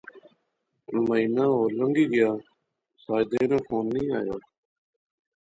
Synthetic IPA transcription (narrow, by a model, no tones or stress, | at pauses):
məiːnaːɦoːləŋɡiːɡɪjaː | saːjd̪eːnãːfʰoːnːĩːa̰ːja̰ː